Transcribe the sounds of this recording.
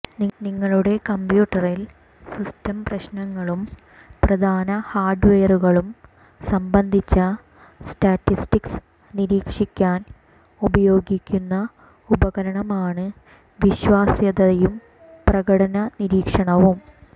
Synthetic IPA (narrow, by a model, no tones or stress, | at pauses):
niŋːɐɭuɽe̞kɐmpjuːʈːɐril | sistɐmprɐɕnɐŋːɐɭum | prɐd̪ʱaːnɐhaːrɖʋeːɐruɣɐɭum | sɐmbɐnd̪ʱit͡ɕːɐ | staːtːisʈiks | niɾiːkʂikʲːaːn | ubɐjo̞ːɡikʲːunːɐ | ubɐɣɐɾɐɳɐmaːɳɨ | ʋiɕʋaːsjɐd̪ɐɐjum | prɐɣɐɽɐnɐniɾiːkʂɐɳɐʋum